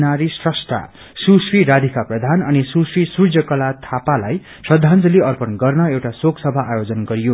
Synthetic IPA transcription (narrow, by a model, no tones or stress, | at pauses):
naɾisrʌsʈa̰ | susriɾad̪ʱikaprʌd̪ʱanʌnisuswisrud͡zjʌkʌlat̪ʰapalaj | sʌd̪ʱand͡zʌliʌrpʌnɡʌrnʌewʈasoksʌbʱaajod͡zʌnɡʌɾijo